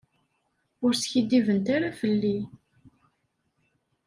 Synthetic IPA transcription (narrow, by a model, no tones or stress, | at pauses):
ʊɾsçid̪ːivənt̪aɾafəlːi